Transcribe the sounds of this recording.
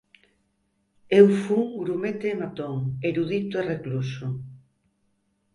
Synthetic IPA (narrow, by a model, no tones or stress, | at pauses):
ewfuŋɡɾumet̪emat̪oŋeɾuðit̪oereklusʊ